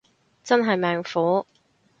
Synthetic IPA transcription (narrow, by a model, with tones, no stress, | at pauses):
t͡sɐ˥nɦɐ˨jmɛː˨ŋfuː˨˥